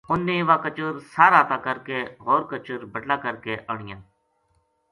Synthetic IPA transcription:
ʊnːẽːʋaːkət͡ʃʊɾsaːɾaːt̪aːkəɾkeːɣoːɾkət͡ʃʊɾbəʈlaːkəɾkeːʔəɳɪjãː

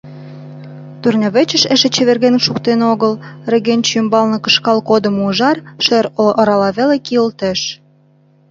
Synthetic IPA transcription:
t̪urnʲoβet͡ɕə̆ʃĕʃĕt͡ɕĕβerɣenʃukt̪enoɣəlrĕɣenʲt͡ɕymbɑlnɤ̆kə̆ʃkɑlkod̪əmuʒɑrʃeɾoɾɑlɑβelekiəlt̪ĕʃ

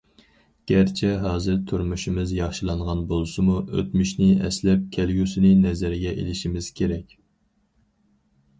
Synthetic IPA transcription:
ɡ̥ʲæɾt͡ʃʰɛɦɑːzɪɾt̪ʰuɾmuʃimɪzjɑχʃɨlˠɑɴʁɑnbolˠsɨmuø̰t̪myʃnɪɛ̰slɛp̚kʲʰɛlɡʲusɪnɪnɛzæɾɪɡʲɛʔḛlɪʃimɪz̥kʲʰeɾɛkʲ

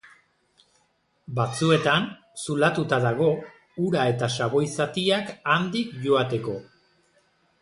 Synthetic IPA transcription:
bat͡sue̞t̪an | sulat̪ut̪aðaɣo̞ | uɾae̞t̪asaβo̞jsat̪iakand̪ikʝo̞at̪e̞ko̞

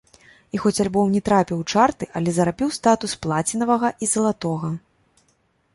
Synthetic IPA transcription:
ixɔt͡sʲalʲbɔwnʲɛt̪ɾapʲiwt͡ʂart̪ɨʔɐlʲɛzɐɾapʲiwst̪at̪usplˠat͡sʲinɐvɐɣɐʔizɐlˠat̪ɔɣɐ

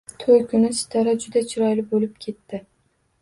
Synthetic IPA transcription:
t̪ʰojkʰʲʊnɪsɪ̥t̪ʰɒɾad͡ʒʊd̪at͡ʃʰɪɾɒjlɪbolɪp̚kʲʰe̞t̪ːɪ

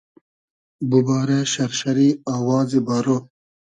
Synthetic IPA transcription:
bubaːɾaʃɐɾʃɐɾiaːwɑːzibaɾo

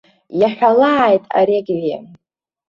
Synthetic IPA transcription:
jaħʲᶣalaːjtʼa̰ɾeɡʲʕje

